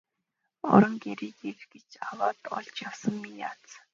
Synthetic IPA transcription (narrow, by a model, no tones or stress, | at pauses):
ɔ̰ɾə̆ŋɡeɾiːt̪erɡet͡ɕawaːt̪ɔ̰ɮt͡ɕjawsə̆ŋmija̰ːt͡s